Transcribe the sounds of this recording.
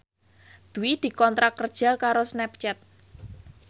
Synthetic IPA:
d̪̥uwid̪̥i̤kɔnt̪ɾakːərd̥ʒ̥a̤kaɾosnɛp̚t͡ʃɛt̪̚

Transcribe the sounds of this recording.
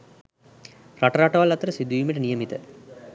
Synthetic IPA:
raʈəɾaʈəʋalat̪əɾəsid̪uimiʈənijəmit̪ə

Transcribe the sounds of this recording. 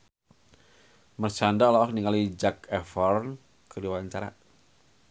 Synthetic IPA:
mərt͡ʃandaɔlɔak̚niŋalid͡ʒakɛfɔrn | kədiwaɲt͡ʃaɾa̰

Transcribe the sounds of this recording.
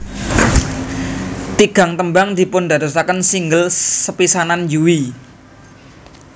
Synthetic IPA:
t̪iɡ̥a̤ŋt̪əmbaŋd̪̥i̤pʊnd̪a̤d̪osakənsiŋɡəlsəpisananjuwi

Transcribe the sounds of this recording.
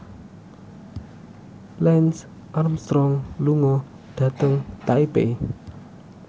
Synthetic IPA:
lɛns | ʔarmst̪ɾɔŋluŋɔ | ɖ̪̥ä̤t̪əŋt̪aipe

